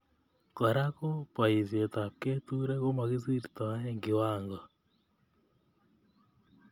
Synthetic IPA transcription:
kɔ˨ɾa˦ko˦pwa˨i˨zje˨ta˨ke˦tu˦ɾɛ˦ɣo˦ma˨ɣi˦zi˦ɾi˨ta˨a˦ɛ˦ŋɡe˨waː˦ŋɡɔ˨

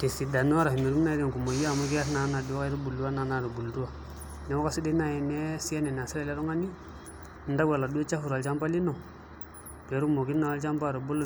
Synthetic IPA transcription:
te˨si˨da˨nu˦a˦ɾa˨hi˨ni˨ɾu˦m˦na˦i˦de˨ŋku˨mo˨ji˦a˨mu˦kɛ˦a˦sna˨˦na˨di˨˦ka˦i˦ɾu˦bu˨ldu˦wa˦na˨˦na˨ɾu˨bu˨ldu˦wa˨ | nɛ˨wo˦ka˦si˦de˦na˨jɛ˨nɛ˦si˦a˦nɛ˨n˨a˨si˦ɾa˦˨la˦ɾu˦ŋa˦ni˦ | n˦da˦wa˨la˨du˦e˦t͡ʃa˦fu˨ɾa˨lt͡ʃa˦mpa˦li˦no˨ | dɛ˨ɾu˦mo˨ɡi˦na˨a˦t͡ʃa˦mpa˦˨ɾo˨bo˦lː

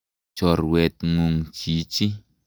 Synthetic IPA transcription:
t͡ʃɔ˨ɾwɛ˨t̪̚ŋu˨ŋt͡ʃi˨˦t͡ʃi˦

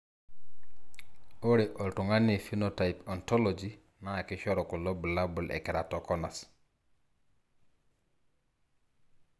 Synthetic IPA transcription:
o˦ɾe˨ʔɔ˨ltu˨ŋa˦ne˨fi˦no˨ta˨i˨pɔ˨nto˦lo˨d͡ʒi˦ | na˦˨ki˦ʃɔ˦ɾɔ˨ku˨lo˦bu˨la˦bu˨lʔɛ̰˨kɛ˨ɾa˨to˨kɔ˦na˨s

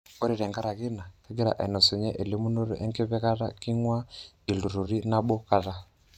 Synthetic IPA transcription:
ɔ˦ɾi˨ɾɛ˨ŋɡa˦ɾa˨ɣi˦na˨ka˦ɡi˦ɾa̰˨ʔɛ̰˨nɔ˨su˨ɲɛ˦ʔɛ˨li˦mu˦no˦ɾṵ˦ʔɛ˦ŋkɛ˦βɛ˦ɣa˦ɾa̰˦ki˦ŋwa˦ | i˨lu˨ɾu˨ɾi˦na˦ɓɔ˦ka˦ta˦

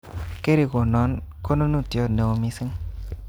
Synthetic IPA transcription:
ke˦ɾi˨ko˨nɔ˨˦nko˦no˦nu˦˨tjɔ˦ne˨wo˧mi˦sɪ˦ŋ

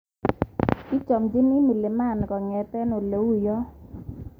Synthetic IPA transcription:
i˦t͡ʃɔ˨md͡ʒɪ˦ni˦mi˨le˨ma˦˨nkɔ˨ŋɛ˨tɛ˦no˨lo˨wu˦jɔ˦

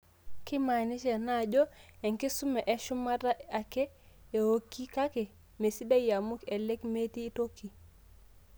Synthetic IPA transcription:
ki˦ma˨ni˦ʃe˨na˦ɟo˦e˨ŋki˦su˦me˨ʔe˨˦ʃu˦ma˦ta˦a˨ke˦ | e˨ho˦kːi˦ka˦ke˨ | me˨si˦da˦ja˨mu˦ke˨le˦kme˦tiː˦tokːi˨

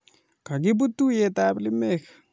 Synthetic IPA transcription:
ka˨ɡi˦b̬u˦t̪ːu˦jet̪aːbli˦me˦k

